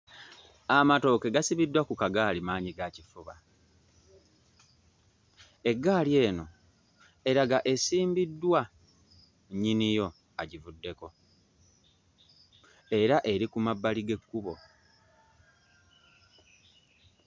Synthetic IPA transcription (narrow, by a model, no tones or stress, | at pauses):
amato̞ːke̞ɡasiβidwakukaɡaːlimaːɲiɡacifuβa̰ | e̞ɡːaːlie̞ːno̞ | e̞ɾaɡaʔe̞siːmbidːwa | ɲinijo̞ | aɟivudːe̞ko̞ | e̞ɾaʔe̞ɾikumabːaliɡe̞kːuβo̞